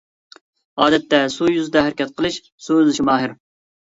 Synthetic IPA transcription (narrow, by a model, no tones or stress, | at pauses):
ɑːd̪ɛt̪ːɛsujyzɪd̪ɛɦæɾɪkʲɛt̪̚qʰəlˠɨʃ | suøzɪʃimɑːɦɪɾ